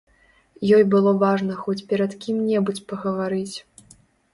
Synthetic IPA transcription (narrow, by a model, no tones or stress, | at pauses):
jɔjbɨlˠɔvaʐnɐxɔt͡sʲpʲɛɾɐt̪kʲimnʲɛbut͡sʲpɐɣɐvaɾɨt͡sʲ